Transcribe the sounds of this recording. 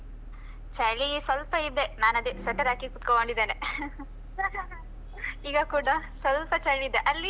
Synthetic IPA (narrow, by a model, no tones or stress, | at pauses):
t͡ʃɐɭisʋɐlpɐid̪e̞naːnɐd̪isɐʈːɐɾaːkikut̪koɡoɳɖid̪ːeːne | iːɡɐkuːɽɐsʋɐlpɐt͡ʃɐɭiid̪eʔɐlːi